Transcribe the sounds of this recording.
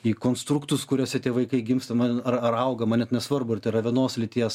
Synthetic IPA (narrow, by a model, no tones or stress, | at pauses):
iːkoːnst̪ɾukt̪ʊskʊɾʲoːsʲɛt̪ʲiɛʋɐɪkɐɪɡʲɪmst̪ɐmɐnɐrɐrɐʊɡɐmɐnʲɛt̪nʲɛsʋɐrbʊɪrt̪ʲerɐʋʲinoːslʲɪt̪ʲiɛs